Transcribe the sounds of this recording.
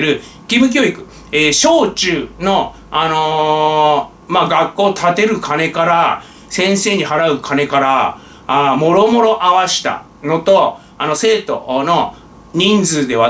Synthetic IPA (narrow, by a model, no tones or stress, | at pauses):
ɾɯ̟ | kʲibɯ̟k̬ʲo̞ːikɯ̟ | eːɕo̞ːt͡ɕɨːno̞ | ano̞ | maːɡakːo̞ːt̪ʰat̪e̞ɾɯ̟kʰane̞kaɾa | sẽ̞ɰ̃se̞ːɲ̟iɦaɾaɯ̟kʰane̞kaɾa | amo̞ɾo̞mo̞ɾo̞ʔaβaɕi̥t̪a̰ | no̞t̪o̞ | ano̞se̞ːt̪o̞̰no̞ | ɲ̟ĩnd͡zɨːd̪e̞βa